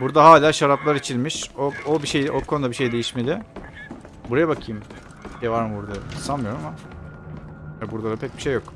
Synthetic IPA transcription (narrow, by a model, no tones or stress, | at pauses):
buɾd̪aɦaːlʲaːʃaɾaplˠaɾit͡ʃʰilʲmiʃoobiʃejʔokʰonud̪abiʃe̞jd̪e̞jiʃme̞d̪ɪ | buɾajabakʰɯjɯm | evaɾmɯbuɾd̪asanmɯjo̞ɾuama | abuɾd̪alapʰɛc̚biʃe̞jːo̞k